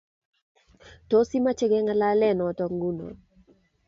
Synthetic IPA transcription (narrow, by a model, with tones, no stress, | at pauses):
to˦si˦ma˦t͡ʃɛ˦ɡɛ˦ŋa˦la˦lɛ˦˨nɔ˨tɔ˨ŋɡu˦nɔ̰˨